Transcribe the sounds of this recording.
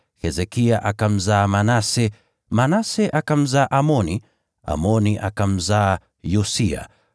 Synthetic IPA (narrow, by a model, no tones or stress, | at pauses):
hɛzɛkiaʔakam̩zaːmanasɛ | manasɛʔakam̩zaːʔamɔni | a̰mɔniʔa̰kam̩zaː | jusia̰